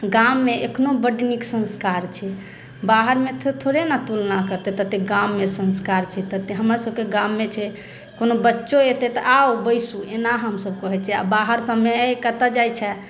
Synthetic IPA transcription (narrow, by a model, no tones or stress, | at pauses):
ɡamːeekʰnobəɖniksə̃nskaɾt͡ʃʰɛ | baɦəɾmet̪ʰt̪ʰoɾenat̪ulnakəɾt̪ɛt̪ət̪eɡamːesə̃nskaɾt͡ʃʰɛt̪ət̪eɦəmɾasəb̚keɡamːet͡ʃʰɛ | konobətːʃoet̪ɛt̪ɔʔaobəɪsuenaɦəmsəbkəɦɛt͡ʃʰɛa̰baɦəɾsəbmeəjkət̪ad͡ʒajt͡ʃʰɛ